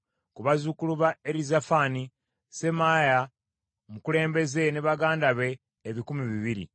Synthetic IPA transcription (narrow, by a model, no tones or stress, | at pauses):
kuβazukuluβaeɾizafani | se̞maːja | mukule̞ːmbe̞ze̞neβaɡaːndaβe̞ː | βikumiβiβiɾḭ